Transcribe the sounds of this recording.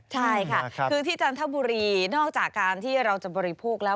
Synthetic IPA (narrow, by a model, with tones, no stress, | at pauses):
t͡ɕʰa˥˩jkʰa˥˩kʰɯː˧t̪ʰiː˥˩t͡ɕaː˧nt̪ʰa˥˩buː˧ɾiː˧nɔː˥˩k̚t͡ɕaː˨˩kːaː˧nt̪ʰiː˥˩ɾa˧wt͡ɕa˨˩bɔː˧ɾi˧pʰoː˥˩k̚lɛː˦˥